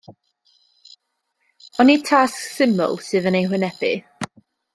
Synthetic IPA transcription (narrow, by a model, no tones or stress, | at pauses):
ɔnitʰasksɪmʊ̰lˠsɨːðənejwɪnɛbɪ̰